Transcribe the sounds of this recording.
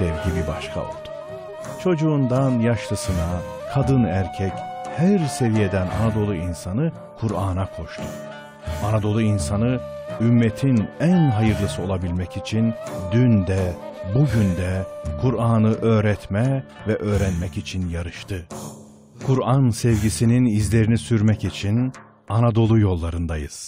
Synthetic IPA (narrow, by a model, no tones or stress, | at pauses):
sɛvɟibibaʃkʰa̰o̞̰lˠd̪̥u̥ | t͡ʃʰo̞d͡ʒuːnd̪anjaʃlˠɯsɯna | kʰad̪ɯnæɾcʰɛchæɾse̞vije̞d̪æna̰nad̪o̞lˠuinsanɯ | kʰuɾaːnakʰo̞ʃt̪ʰu | anad̪o̞lˠuinsanɯ | ymːet̪ʰinænɦajɯɾlˠɯsɯo̞lˠabilʲmɛcit͡ʃʰind̪ynd̪ɛbuɟynd̪ɛkʰuɾaːnɯʔø̞ːɾɛt̪mɛvɛʔøːɾænmɛcit͡ʃʰinjaɾɯʃt̪ʰɯ | kʰuɾansɛvɟisininizlʲe̞ɾinisyɾmɛcit͡ʃʰin | anad̪o̞lˠujo̞lˠːaɾɯnd̪ajɯ̰z̥